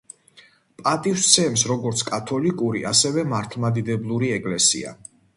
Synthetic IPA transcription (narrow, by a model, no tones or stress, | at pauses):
pʼat̪ʼiwst̪sʰɛmsɾɔɡɔɾt̪sʰkʼat̪ʰɔlikʼuɾiʔasɛvɛmaɾt̪ʰlˠmad̪id̪ɛblˠuɾiɛkʼlɛsḭa̰